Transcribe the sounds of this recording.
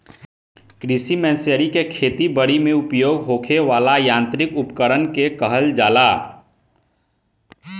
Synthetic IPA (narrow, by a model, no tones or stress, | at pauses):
kɾisimɛ̃ːsjəɾikekʰeːt̪ibəɽimẽʊpjoːɡɦoːkʰeʋaːlajãːnt̪ɾɪkʊpkəɾənkekəɦəld͡ʒaːla